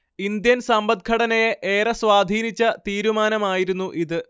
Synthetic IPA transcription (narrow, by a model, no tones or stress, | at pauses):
ind̪jɐnsɐmbɐd̪̚kʰɐɽɐnɐjeʔeːrɐsʋaːd̪ʱiːnit͡ɕːɐt̪iːɾumaːnɐmaːjiɾunːuʔiðɨ